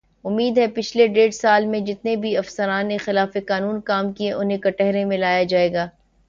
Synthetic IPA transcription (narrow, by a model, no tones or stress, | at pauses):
ʊmːiːd̪ɦɛpɪt͡ʃʰleɖeːɽsaːlmẽd͡ʒɪt̪nebʱiɐfsəɾaːnːexɪlaːfekaːnuːnkaːmkieʔʊnɦẽkɐʈɛɦɾẽmẽlaːjad͡ʒaːeːɡaː